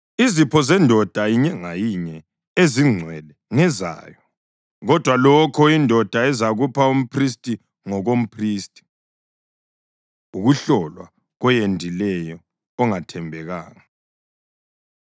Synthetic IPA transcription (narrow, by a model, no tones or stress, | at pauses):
izipʰɔzɛndʱɔd̥ʱajiɲɛŋajiɲɛ | eziŋ͡ǀʱwɛlɛŋɛza̰ːjɔ | ɣɔd̥ʱwalɔkʰɔindʱɔd̥ʱaɛzaɣupʰaum̩pʰristʼi | ŋɔɣom̩pʰriːstʼi̥ | uɣuɬɔlwa̰ | ɣɔjendʱilɛjɔː | ŋatʰɛmbʱɛɣaːŋa